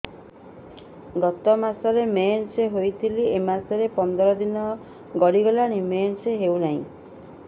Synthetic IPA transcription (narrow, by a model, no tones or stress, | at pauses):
ɡɔt̪ɔmasɔɾemenseɦojt̪ʰiliemasɔɾepɔnd̪ɔɾɔd̪inɔ | ɡɔɽiɡɔlaɽ̃imenseɦewnaɦḭ̃